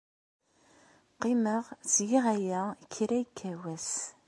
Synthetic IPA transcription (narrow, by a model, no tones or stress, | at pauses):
qiməʁzjiʁæjækʰːɾæjkʰːæwæs